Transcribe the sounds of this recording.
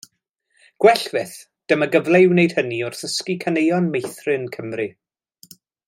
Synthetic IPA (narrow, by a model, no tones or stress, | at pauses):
ɡ̥wɛɬv̥ɪθ | d̥əməɡəvlˠewnejd̥həniʊrθəskikʰanejɔnmejθrɨnkʰəmrɨ